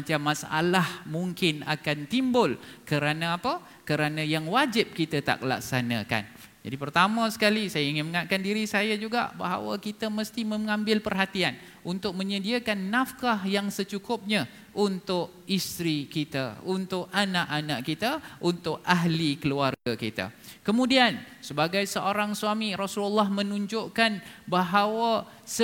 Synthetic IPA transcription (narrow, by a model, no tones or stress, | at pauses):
mat͡ʃamːasʔa̰lahmuŋkɪna̰kant̪imbʊlkəɾanə̃apə | kəɾanə̃jaŋwad͡ʒɪp̚kit̪ət̪a̰ʔkəla̰k̚sana̰ka̰n | d͡ʒa̰dipərt̪amə̃sə̥kalisajaiŋɪnməŋat̪̚kandiɾisajad͡ʒuɡa̰ʔba̰ɦa̰wa̰kit̪əməst̪imə̃ŋãmbɪlpərɦat̪ian | unt̪ʊk̚mə̃ɲədiakanːafkahjaŋsət͡ʃukʊp̚ɲã | ʔunt̪ʊʔ | ist̪ɾikit̪a̰unt̪ʊʔanaʔanaʔkit̪aunt̪ʊʔaɦlikəluarɡakit̪a̰kəmũdiansəbaɡajsəʔoɾaŋsuamiɾasululːahmə̃nuɲd͡ʒʊʔkanbaɦawa | sə